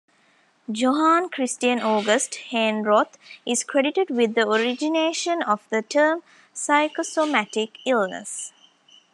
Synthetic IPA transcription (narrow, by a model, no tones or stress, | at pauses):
d͡ʒoɦaːnkɾisʈiə̃noːɡəsʈhẽnɾot̪ʰizkɾeɖiʈeɖʋid̪ːəoɾid͡ʒineːʃə̃nɔfd̪əʈʰəːm | saɪkosomæʈikilnə̰s